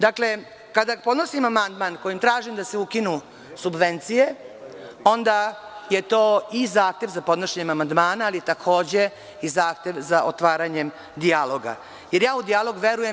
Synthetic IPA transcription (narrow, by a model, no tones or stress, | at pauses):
d̪akle̞ | kad̪apo̞d̪nosimamand̪mankojimt̪ɾaːʒimd̪aseukinu | subʋe̞nt̪sije | o̞nd̪ajet̪o̞ːizaːxt̪e̞ʋzapo̞d̪noʃeɲe̞mamand̪maːnaːlit̪akʰo̞ːd͡ʑe̞ | izaːxt̪e̞ʋzaʔo̰t̪ʋaːɾaɲe̞m | d̪ialo̞ɡa̰ | jeɾjaːud̪ijalo̞ɡʋe̞ɾujem